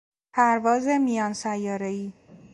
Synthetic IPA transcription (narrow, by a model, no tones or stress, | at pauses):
pʰæɾvɒːzemijɒːnsæjːɒːɾeiː